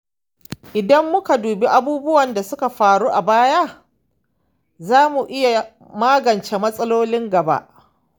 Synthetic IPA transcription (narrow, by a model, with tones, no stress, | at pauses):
ʔɪ˨dɐ˦mːʊ˦ka˨duː˨be˦ʔa˦buː˦bʊ˦wɐ˨nda˨sʊ˦ka˨ɸaː˨ɽu˦ʔa˨baː˦ja˦ | zaː˦mu˨ʔɪ˦ja˨ | maː˦ɡɐ˨nt͡ʃeː˦mɐ˦sʼɐ˦loː˦lɪ˦ŋɡɐ˨ba̰˦ʔ